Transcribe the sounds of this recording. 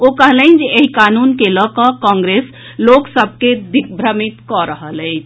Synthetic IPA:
okəɦləɪnd͡ʒeeɦikanunkeləkəkɔ̃ŋɡɾes | loksəb̚ʱked̪ikʰbʱɾəmit̪kɔɾəɦələɪt͡ʃʰ

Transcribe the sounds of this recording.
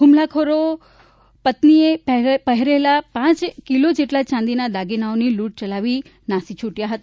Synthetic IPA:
ɦumlakʰoɾo | pət̪niepəɦɾelapãt͡ʃkilod͡ʒeʈlat͡ʃãnd̪inad̪aɡinaoniluʈ̚t͡ʃəlaʋi | nasit͡ʃʰuʈjaɦət̪a

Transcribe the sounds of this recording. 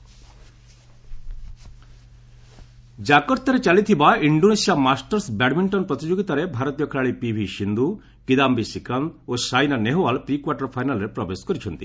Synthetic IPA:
d͡ʒakɔɾt̪ɔɾet͡ʃalit̪ʰibaiɳɖonesijamasʈɐɾsbɛʈmiɳʈɔnpɾɔt̪id͡ʒoɡit̪aɾebʱaɾɔt̪ijɔkʰɾaɭipibʱiʃind̪u | kid̪ambisikand̪osajnaneɦoʋalpɾikwaʈɐɾpʰajnalɾepɾɔbeskɔɾit͡ʃʰɔnt̪i

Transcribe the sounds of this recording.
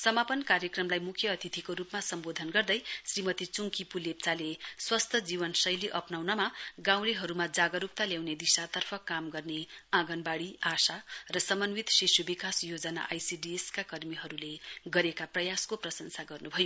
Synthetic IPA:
sʌmapʌnkaɾjʌkrʌmlajmukʰjʌːt̪ʰit̪ʰikoɾupmasʌmbod̪ʱʌnɡʌrd̪ʌjsrimʌt̪it͡suŋkipulep̚t͡saleswʌst̪ʰʌd͡zibʌnsʌjliʔʌpnawnʌmaɡãw̃leɦʌɾumad͡zaɡʌɾup̚t̪aljawned̪isat̪ʌrpʰʌkamɡʌrneãɡʌnbaɽiasarʌsʌmʌnwit̪sisjubikasjod͡zʌna̰ʔajsiɖieskakʌrmiɦʌɾuleɡʌɾekaprʌjaskoprʌsʌnsaɡʌrnubʱʌjo

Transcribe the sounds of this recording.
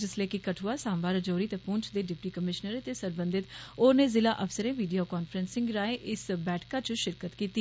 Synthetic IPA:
d͡ʒɪsleːkɪkəʈʰuaːsãːmʋaːɾəd͡ʒoːɾiːt̪epʊːnt͡ʃd̪eːɖɪpʈiːkəmɪʃnəɾət̪eːsəɾbə̃nd̪ɪt̪oːɾneːzɪlaːʔəfsəɾẽːʋiːɖijoːkɔːnfʰəɾənsɪ̃ŋɡɾaːẽːʔɪsbɛːʈkaːt͡ʃəʃɪɾkət̪kiːt̪iː

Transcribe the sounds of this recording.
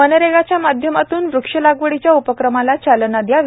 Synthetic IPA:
ənəɾeɡat͡ɕjamad̪ʱjəmat̪uːnʋɾukʂəlaɡʋəɽit͡ɕjaupəkɾəmalat͡ɕalənad̪jaʋ

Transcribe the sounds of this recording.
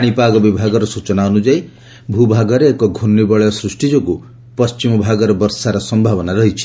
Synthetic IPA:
aɽ̃ipaɡɔbibʱaɡɔɾɔsut͡ʃɔnaɔnud͡ʒaj | bʱubʱaɡɔɾeːkɔɡʱunːibɔɭjɔsɾusʈid͡ʒɔku | pɔst͡ʃimɔbʱaɡɔɾɔbɔɾsaɾɔsɔmbʱabɔnaɾɔɦit͡ʃʰi̥

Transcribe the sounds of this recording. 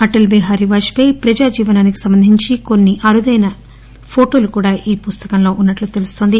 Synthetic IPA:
ɐʈɐlbeːɦaːɾiʋaːʃpɐjpɾɐd͡ʒaːd͡ʒiːʋɐnaːniki̥sɐmbɐnd̪ʱiɲt͡ʃiko̞nːiʔɐɾud̪ɐjnɐ | pʰo̞ːʈo̞ːlukuːɽaːʔiːpust̪ɐ̥kɐmlo̞ːʔunːɐʈlut̪e̞lust̪o̞ːnd̪i

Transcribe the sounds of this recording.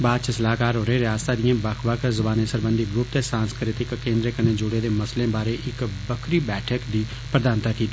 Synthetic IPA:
baːd̪t͡ʃʰəsəlaːkaːɾɦoːɾeːɾɪjaːst̪aːd̪ijãːbəkʰʋəkʰɾzəbaːnesəɾbə̃nd̪iːɡɾʊp̚t̪esãːnskɾɪt̪ɪkːẽːnd̪ɾekəneːd͡ʒʊɽeːd̪eːməslẽːbaːɾeːʔɪkbəkʰɾiːbɛːʈʰəkd̪iː | pɾəd̪aːnt̪aːkiːt̪iː

